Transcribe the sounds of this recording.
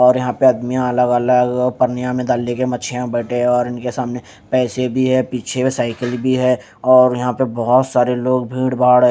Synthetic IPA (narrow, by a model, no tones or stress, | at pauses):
ɔːɾjɐɦãpeɐd̪mijãɐləɡələɡpəɾnɪjãmẽd̪aːlekemɐt͡ʃʰijãbɛːʈeɔːɾɪnkesaːmne | pɛːsebʱiɦɛpiːt͡ʃʰesaːɪkəlbʱiɦɛ | ɔːɾjɐɦãpebɔɦʊt̪saːɾeloːɡ̚bʱiːɽbʱaːɽ